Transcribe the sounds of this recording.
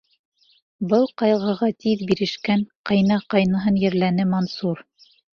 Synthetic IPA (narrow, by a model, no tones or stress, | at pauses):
bɤlˠqɑjʁɤ̆ʁɑt̪iðbiɾɘ̆ʃkæŋqɑjnɑqɑjnɤ̆ɦɤnjɘ̆ɾlænɘmɑnsuɾ